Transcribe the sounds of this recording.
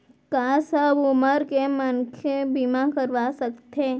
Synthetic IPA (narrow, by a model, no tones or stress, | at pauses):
kasəbʊməɾkemənkʰebimakəɾʋasəkt̪e